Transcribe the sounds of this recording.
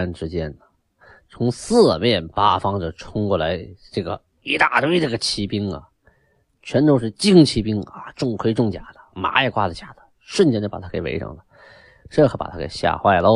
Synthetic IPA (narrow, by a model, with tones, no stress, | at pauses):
nʈ͡ʂɻ̩˥t͡ɕjɛ˥nə˩ | t͡sʰʊ˧˥ŋsɹ̩˥˧mjɛ˥˩npa˥fɑ˥ŋʈ͡ʂə˩ʈ͡ʂʰʊ˥ŋkwɔ˥˩la˧˥ɪʈ͡ʂɤ˥˩ɡə̰˩ | i˧˥t̪a˥˩t̪we˥ɪʈ͡ʂɤ˥˩ɡə˩t͡ɕʰi˧˥pi˥ŋə̰˨ | t͡ɕʰɛ˧˥nt̪ʂ̬ɻ̩˥˧t͡ɕi˥ŋt͡ɕʰi˧˥pi˥ŋa˧ʈ͡ʂʊ˥˧ŋkʰwe˥˧ɪʈ͡ʂʊ˥˩ŋt͡ɕja˨˩d̪̥ə̥˦ma̰˧˥ɛ˧˩kwa˥˩d̪ə˩t͡ɕja˨˩d̪̥ə̥˦ | ʂwə˥˩nt͡ɕjɛ˥nt͡ɕjpa˨˩a˥ke˨˩ɪʔḛ˧˥ʈ͡ʂɤ̰˨˩ŋd̪ə˦ | ʂə˥˩xɤ˧˥˩pa̰˨˩t̪ʰa˥kḛ˨˩ɪɕja̰˥˧˩xwa˥˩ɪlə˧˥